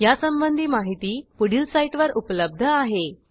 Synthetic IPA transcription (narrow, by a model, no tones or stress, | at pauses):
jasəmbənd̪ʱiːmaɦit̪iːpuɽilsaiʈʋəɾupləb̚d̪ʱəaɦe